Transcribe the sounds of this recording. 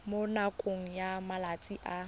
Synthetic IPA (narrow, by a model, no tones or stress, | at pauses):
monakʼoŋ̩jamalat͡sʼiʔa